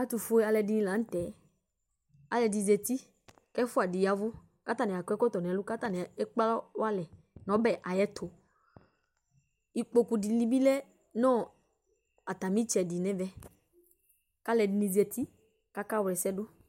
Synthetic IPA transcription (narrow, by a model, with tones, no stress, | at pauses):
a˦t̪u˨fu˦e˦a˨lɛ˨di˨nĩ˦la˨˦n̩˦t̪ɛ˨ | a˨lɛ˨di˨ze˨t̪i˦ | kɛ˦fʊ˦a˨di˨ja˨vʊ˦ | ka˦t̪a˦nɛ̃˨a˨kɔ˦ɛ˦kɔ˦t̪ɔ˨n˨ɛ̃˨˦lu˦ka˦t̪a˨nɛ˨ɛ˦k͡pa˦lɔ˦wa˦lɛ˨ | nɔ̃˨˦bɛ˨ʔa˨jɛ˦t̪ʰo˨ | i˨k͡po˨ku˨di˨li˦bi˦lɛ˦ | nɔ̃˦ | a˨t̪a˨mĩ˦t͡ʃɛ˨di˨nɛ̃˨vɛ˦ | ka˦lɛ˨di˨nĩ˨ze˨t̪i˦ | ka˦ka˦wlɛ˨sɛ˦dʊ˦